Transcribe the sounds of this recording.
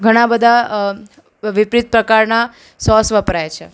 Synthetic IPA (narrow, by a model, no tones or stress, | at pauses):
ɡʱəɽ̃ãbəd̪ʱa | ʋipɾit̪̚pɾəkaɾna | sɔsʋəpɾajet͡ʃʰe